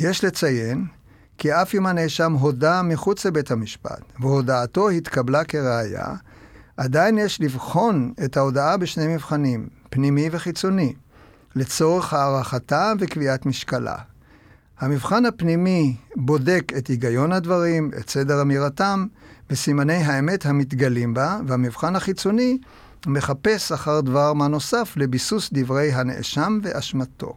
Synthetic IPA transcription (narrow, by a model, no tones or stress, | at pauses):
je̞ʃle̞t͡saje̞n | kiafimanejʃamɦo̞damiχut͡slebe̞thamiʃpa̰tveɦo̞daːto̞hit̪kablake̞ʁeaja̰ | ʔadajinjeʃlivχo̞ne̞thao̞daabeʃne̞jmivχanim | pnimive̞χit͡so̞ni | le̞t͡so̞ʁe̞χhaːʁaχatavekviatmiʃkala̰ | hamivχanhapnimibo̞de̞ke̞tiɡajo̞nhadvaʁimḛtsedeʁamiʁatambesimane̞jɦaeme̞thamit̬ɡalimbavehamivχanhaχit͡so̞ni | me̞χape̞saχaʁdvaʁmano̞saflebisusd̪ivʁe̞jɦanḛʔḛʃamve̞ʔaʃmatʰo̞̰